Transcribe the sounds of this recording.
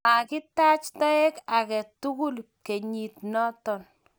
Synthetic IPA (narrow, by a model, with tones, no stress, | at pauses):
a˨kɪ˦ta˦t͡ʃtɔ˦e˦ka˨kɛ˨tu˦ku˦l | ke˨ɲi˨tnɔ˦tɔ˨n